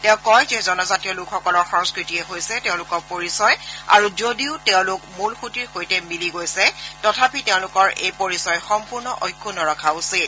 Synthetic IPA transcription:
tɛʊ̃kɔjzezɔnɔzatijɔlʊkʰxɔkɔlɔɹxɔ̃ŋskɹitiɛɦojsɛtɛʊ̃lʊkɔɹpoɹisɔja̰ɹuzodiʊtɛʊ̃lʊkmulxutiɹxojtɛmiliɡojsɛtɔtʰapitɛʊ̃lʊkɔɹʔejpoɹisɔjxɔmpuɹnɔʔojkʰːunɔɹɔkʰausit̚

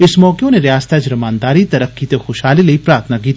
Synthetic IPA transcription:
ɪsmɔːkeõneɾɪjaːst̪ʰad͡ʒɾɐmaːnd̪aːɾit̪ɐɾəfkiːt̪exʊʃɦaːlilɐipɾaːɾt̪ʰnak̬iːt̪ː

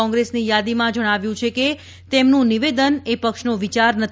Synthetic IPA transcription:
ɔ̃ŋɡɾesnijad̪imãd͡ʒəɽ̃aʋjũt͡ʃʰeke | t̪emnũniʋed̪ənepəkʃnoʋit͡ʃaɾnət̪

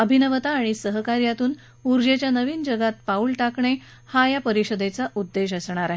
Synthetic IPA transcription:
əbʱinəʋət̪aːɽ̃isəɦəkaɾjat̪uːn | uɾd͡ʑet͡ɕjanəʋiːnd͡ʑəɡat̪̚pauːɭʈakɳe | hajapəɾiɕəd̪et͡saʔud̪ːeɕəsɳ̃aɾaɦe

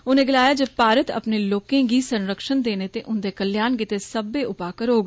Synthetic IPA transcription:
ʊnẽːɡɪlaːjaːd͡ʒəpaːɾət̪ə̰pneːloːkẽːɡiːsənɾəkʃənd̪eːneːt̪eːʔʊnd̪eːkəljaːnɡit̪eːsəbeːʔʊpaːkəɾɦoːɡ

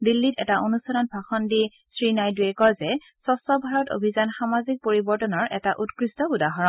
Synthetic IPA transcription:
dilːitɛ̰taʔonusɔnɔnbʱaxɔndi | sɹinajduɛkɔzɛ | sɔsɔbʱaɹɔto̰bʱizanxamazik̚poɹibɔɹtɔnɔɹʔɛ̰taʔutkɹistɔbudaɦɔɹɔ

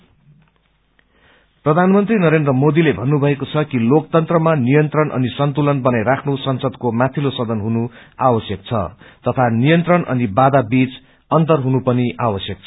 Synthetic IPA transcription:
prʌd̪ʱanmʌnt̪rinʌɾend̪rʌmod̪ilebʱʌnːubʱʌekot͡sʰʌkilok̚t̪ʌnt̪rʌmanijʌnt̪rʌnʔʌ̰nisʌnt̪ulʌnbʌnajɾakʰnusʌnsʌd̪komat̪ʰilosʌd̪ʱʌnɦunuawʌsjʌkt͡sʰʌ̰t̪ʌt̪ʰanijʌnt̪rʌnʌ̰nibad̪abit͡s | ʌnt̪ʌrɦunupʌniʔawʌsjʌk̚t͡sʰ

